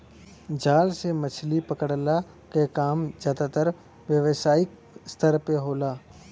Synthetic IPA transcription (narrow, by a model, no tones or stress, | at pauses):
d͡ʒaːlsemət͡ʃʰlipəkəɽla | kekaːmd͡ʒaːd̪aːt̪əɾ | ʋjəʋsaːɪk | st̪əɾpeɦoːlaː